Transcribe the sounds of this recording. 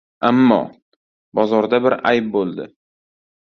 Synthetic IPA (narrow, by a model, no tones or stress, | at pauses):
amːɒ̰ | bɒzɒɾd̪abɪɾa̰jp̚bolˠd̪ɪ̰